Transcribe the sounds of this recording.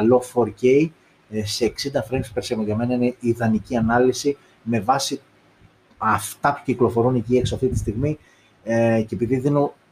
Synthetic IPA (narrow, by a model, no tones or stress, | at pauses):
lofoɾcej | se̞ːksind̪ɐfɾenspeɾsemojɐme̞nɐineiðɐniciɐnɐlisi | me̞vɐsi | ɐft̪ɐpu̥ciklo̞fo̞ɾunecieksoɐft̪it̪ist̪iɣmi | cepiðiðinu